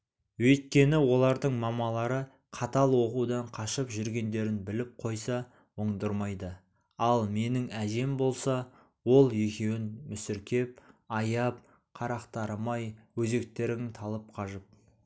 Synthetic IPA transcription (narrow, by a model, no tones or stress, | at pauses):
wɵjt̪̚kʲe̞nɪwo̞lˠɑɾd̪əɴmɑmɑlˠɑɾə | qʰɑt̪ɑlˠwo̞qud̪ɑɴqʰɑʃəpʒʏɾɡʲe̞nd̪e̞ɾɪnbɪlɪp̚qʰo̞jsɑ | woɴd̪əɾmɑjd̪ə | ɑlˠme̞nɪŋæʒe̞mbo̞lˠsɑ | wo̞lˠje̞kʲe̞wɪnmʏsɪɾkʲe̞p̚ɑjɑp̚ | qʰɑɾɑqt̪ɑɾəmɑjwɵze̞k̚t̪e̞ɾɪŋɪt̪ʰɑlˠəp̚qʰɑʒəp̚